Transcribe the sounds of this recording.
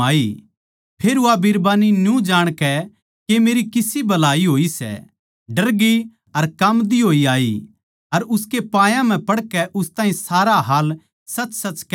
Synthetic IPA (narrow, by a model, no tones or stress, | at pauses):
aːi | pʰeːɾuabɪɾbaːninjũd͡ʒaːɽ̃kɛ | kemeːɾikɪsibɐlaːiɦoːisɛ̰ | ɖɐɾɡi | ɐɾkɐmd̪iɦoːiaːḭ | ɐɾʊskepãːjãm̤ɛ̃pɐɽkɛʔʊst̪aːɦĩsaːɾaɦaːl | sɐt͡ʃsɐt͡ʃk